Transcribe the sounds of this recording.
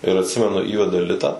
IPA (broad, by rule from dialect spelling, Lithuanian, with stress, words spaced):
ɪr ɐtʲˈsʲɪmʲɛnʊ ˈiːʋʲɛdɐ ˈlʲɪtɐ